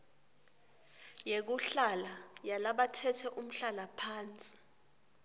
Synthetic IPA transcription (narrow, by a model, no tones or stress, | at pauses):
jek̬uɬalajalaɓatʰɛtʰɛʔum̩ɬalapʰaːnt͡sʼi̥